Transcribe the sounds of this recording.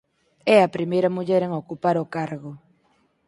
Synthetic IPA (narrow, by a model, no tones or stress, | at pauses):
ɛɐpɾimejɾɐmuʎɛɾeŋokupaɾʊkaɾɣʊ